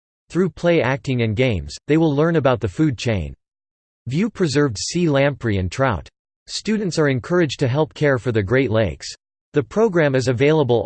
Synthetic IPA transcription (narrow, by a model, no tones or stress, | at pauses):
θɹʉpʰl̥eɪæk̚tɪ̃ŋɨ̃nɡẽɪ̃mz̥ðeɪwəlˠlɜ̃˞nɨbaʊt̪̚ðɨfʉd̚t͡ʃʰẽɪ̃n | vjʉpʰɹ̥ɨzɜ˞vd̥silæ̃mpɹiɨ̃ntʰɹ̥aʊt | stʉdⁿn̩tsə˞ɨ̃nkʰɜ˞ɨd͡ʒtʰɨɦɛlˠp̚kʰɛɹfə˞ðɨɡɹeɪtˡleɪks | ðɨpʰɹ̥oʊɡɹæ̃mɨzɨveɪlˠəbəl̩ˠ